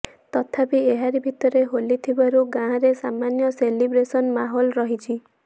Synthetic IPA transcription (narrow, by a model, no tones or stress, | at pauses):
t̪ɔt̪ʰapieɦaɾibʱit̪ɔɾeɦolit̪ʰibaɾuɡãːɾesamanjɔselibɾesɔnmaɦɔlɾɔɦit͡ʃʰi